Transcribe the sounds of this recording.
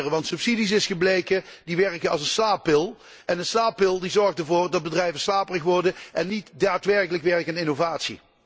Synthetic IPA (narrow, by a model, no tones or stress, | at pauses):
rəʋɑntsɵpsidis̬ɪsxəblejkədiʋɛrkəɑlˠsənslaːpɪlˠ | ʔɛnənslaːpːɪlˠdizɔɹxtəɹvʊːrdɑd̚bədrɛjvəslaːpərəxʋɔrdəʔɛnːitdaːtʋɛrkələkʋɛɹkənɪnovaːtsḭ